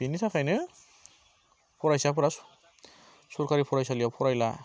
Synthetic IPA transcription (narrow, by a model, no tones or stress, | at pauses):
bʱinisʰakʰajnɯ | pʰɔɾajsapʰɯɾasu̥ | suɾkaɾipʰɔɾajsalijapʰɔɾajla̰